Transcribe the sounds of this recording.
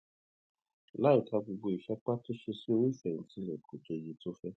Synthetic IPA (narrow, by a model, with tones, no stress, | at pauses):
la˨˦o˨ta˧ɡ͡bo˧ɡ͡bo˧i˨ʃɛ˦k͡pa˦to˦ʃe˧sĩ˦o˧wĩ˦˨fɛ˨ñ̩˨ti˧˦˧lɛ˨ko˨d͡ʒe˧d͡ʒi˧to˦fɛ˦